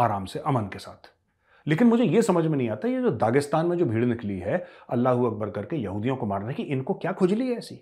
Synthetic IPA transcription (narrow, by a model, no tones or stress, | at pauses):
aːɾaːmseʔɐmənkesa̰ːt̪ʰ | leːkɪnmʊd͡ʒʱejesɐməd͡ʒʱmẽnɐɦĩaːt̪aɦɛjed͡ʒoːd̪aːɡɪst̪aːnmẽd͡ʒoːbʱiːɽnɪkliɦɛɐ̰lːaːɦuɐk̚bəɾkɐɾkejɐɦuːd̪ijõkomaːɾnaɦɛkiʔɪnkokjaːkʰʊd͡ʒliɛɛːsḭː